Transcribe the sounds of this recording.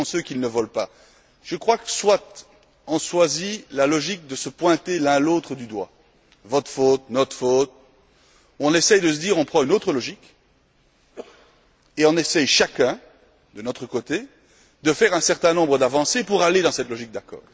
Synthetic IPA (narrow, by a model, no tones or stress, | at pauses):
søkʲilnəvɔlpa | ʒ̥əkχwakə̥swat̪ | ɑ̃swazilalɔʒik̚d̪əsəpwɛ̃t̪elɛ̃lot̪χəd̪yd̪wa̰ | vɔt̪χfot̪̚nɔt̪χfot̪̚ | ɔ̃nɛsɛjd̪əs̬əd̪iːʁɔ̃pχɑ̃ynot̪χəlɔʒik | eɔ̃nɛsɛjʃakɛ̃ | d̪ənɔt̪χəkot̪e | d̪əfɛʁɛ̃sɛʁt̪ɛ̃nɔ̃bʁəd̪avɑ̃sepuʁaled̪ɑ̃sɛt̪lɔʒik̚d̪akɔ̰ːʁ